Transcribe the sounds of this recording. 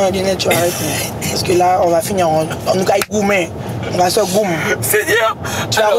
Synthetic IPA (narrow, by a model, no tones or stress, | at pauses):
ɔ̃d͡ʒɛnɛt͡ʃuaɾɛtinɛ̃ | ɔskelaɔ̃vafiɲãɔ̃ɔnũkaiɡumɛ̃ | ɔkasɛɡum̩ | t͡ʃua